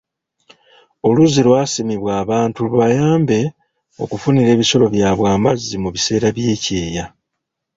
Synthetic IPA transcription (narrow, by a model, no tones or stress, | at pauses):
o̞luzilwaːsimiβwaːβaːntuuβajaːmbe̞ | o̞̰kufuniɾe̞ːβiso̞lo̞βjaːβwaːmbazːimuβise̞ːɾaβje̞ːce̞ːja